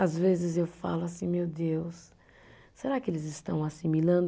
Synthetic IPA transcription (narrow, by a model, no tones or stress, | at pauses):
azvezɪzewfa̰lʊasĩmewd̪ewsː | eɾakɪelɪzɪst̪ɐ̰̃w̃asimilɐ̃nd̪